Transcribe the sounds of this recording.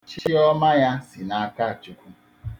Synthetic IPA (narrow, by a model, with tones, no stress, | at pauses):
t͡ʃi˦ɔ˦ma˦ja˦si˨na˦ka˦a˨t͡ʃu˦kʷu˦